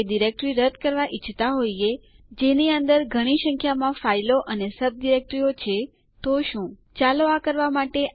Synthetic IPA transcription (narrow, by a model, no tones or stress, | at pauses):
ɖiɾek̚ʈɾiɾəd̪kəɾʋaʔit͡ʃʰt̪aɦoje | d͡ʒeniənd̪əɾɡʱəɽ̃isə̃ŋkʰjamãfailoʔənesəb̚d̪iɾek̚ʈɾiot͡ʃʰe | t̪oʃũ | t͡ʃaloakəɾʋamaʈe